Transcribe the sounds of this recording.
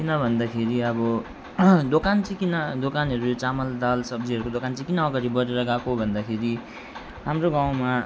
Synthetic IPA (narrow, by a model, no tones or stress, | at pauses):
kinʌbʱʌnd̪akʰeɾiʌbʌ | d̪okant͡sĩkinʌd̪okanɦʌɾujot͡samʌld̪alsʌbd͡ziʌɾukod̪okant͡sĩkinʌʌɡaɾibʌɾeɾʌɡãkobʱʌnd̪akʰeɾi | ɦamroɡaw̃ma